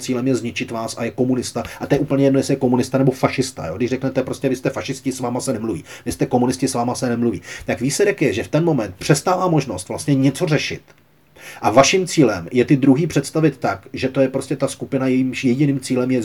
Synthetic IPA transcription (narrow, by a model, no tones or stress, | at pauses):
t͡siːlɛmjɛzɲɪt͡ʃɪt̪vaːsajɛko̞munɪst̪aʔat̪ɛjɛʔuːpl̩ɲɛjɛdnojɛsɛjɛko̞munɪst̪anɛbo̞faʃɪst̪a̰joːɡdɪʃrɛknɛt̪ɛpɾo̞scɛvɪst̪ɛfaʃɪscɪsvaːmasɛnɛmluvḭːvɪst̪ɛko̞munɪscɪsvaːmasɛnɛmluvḭːt̪akviːslɛɾɛkjɛʒɛft̪ɛnmo̞mɛnt̪̚pr̝̥ɛst̪aːvaːmo̞ʒnost̪vlastɲɛɲɛt͡so̞rɛʃɪ̰t̪ | ʔavaʃɪmt͡siːlɛmjɛt̪ɪd̪ɾuɦiːpr̥ɛt̪st̪avɪt̪ːakʒɛt̪o̞jɛpɾo̞scɛt̪askupɪnajɛjimʃjɛɟɪniːmt͡siːlɛmjɛ